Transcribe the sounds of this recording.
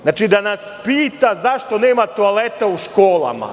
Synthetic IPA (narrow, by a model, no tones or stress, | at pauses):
naːt͡ʃid̪anaspiːt̪azaʃt̪o̞neːmat̪oalet̪auʃkoːla̰ma̰